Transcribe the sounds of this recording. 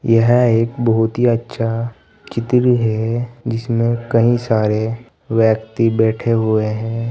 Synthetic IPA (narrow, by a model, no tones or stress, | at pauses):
jəɦeːkbɐɦʊt̪ɦiɐtːʃʰa | t͡ʃɪt̪ɾɦɛd͡ʒɪsmẽkɐɦĩsaːɾe | ʋjɛːkt̪ibɛːʈʰeɦueɦɛ̃ː